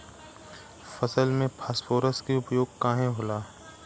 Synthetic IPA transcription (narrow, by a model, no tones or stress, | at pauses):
fɐsəlmẽpʰaːsfoːɾəskiʊpjoːɡ̚kãːɦẽɦoːlaː